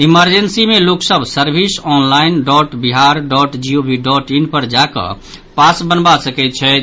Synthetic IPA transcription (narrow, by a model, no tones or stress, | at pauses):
iməɾd͡ʒənsimeloksəbʱsəɾbʱisɔnlainɖɔʈbiɦaɾɖɔʈd͡ʒiobʱiɖɔʈinpəɾd͡ʒakə̰ | pasbənbasəkɛt̪̚t͡ʃʰɛ